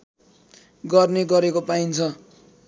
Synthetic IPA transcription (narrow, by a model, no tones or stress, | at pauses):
ɡʌrneɡʌɾekopaint͡sʰʌ